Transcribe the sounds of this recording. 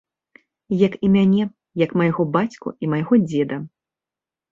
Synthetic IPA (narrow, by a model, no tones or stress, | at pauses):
jɐkimʲanʲɛ | jɐkmɐjaɣɔbat͡sʲkṵimɐjɣɔd͡zʲɛd̪ɐ